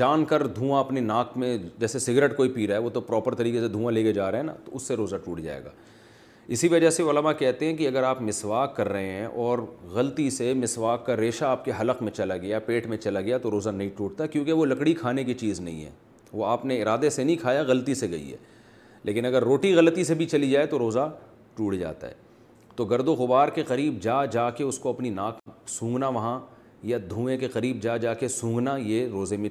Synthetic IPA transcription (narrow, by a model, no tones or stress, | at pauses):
d͡ʒaːnkɐɾd̪ʱũːãɐpninaːkmẽd͡ʒɛːsesɪɡɾeʈkoːipiːɾaɦɛʋot̪opɾɔːpəɾt̪ɐɾiːkesed̪ʱũːãleːked͡ʒaːɾeɦɛna̰t̪oʊsːeɾoːzaʈuːʈd͡ʒa̰ːḛːɡa̰ː | ɪsiʋɐd͡ʒaseʊləmakɛɦt̪eɦɛ̃k̬iɐɡəɾaːpmɪsʋaːkːɐɾːɐɦẽɦɛ̃ʔɔːɾɣɐlt̪isemɪsʋaːkːaɾeːʃaːp̚keɦɐləqmẽt͡ʃɐlaɡɐjapeːʈmẽt͡ʃɐlaɡɐjat̪oɾoːzanɐɦĩʈuːʈ̚t̪akjõːkeʋolɐkɽikʰaːnek̬it͡ʃiːznɐ̰ɦḭ̃ɦɛ̰ː | ʋoaːpneɪɾaːd̪esenɐɦĩkʰaːjaɣɐlt̪iseɡɐḭɦɛ̰ː | lʔeːkɪnɐɡəɾːoːʈiɣɐlt̪isebʱit͡ʃɐlid͡ʒaːet̪oɾoːza | ʈuːʈd͡ʒa̰ːt̪a̰ɦɛ̰ː | t̪oɡɐɾd̪oɣʊbaːɾkeqɐɾiːb̚d͡ʒaːd͡ʒaːkeʊskoɐpninaːksũːŋɡnaʋɐɦã | jad̪ʱũːẽkeqɐɾiːb̚d͡ʒaːd͡ʒaːkesũːŋɡnajeɾoːzemẽ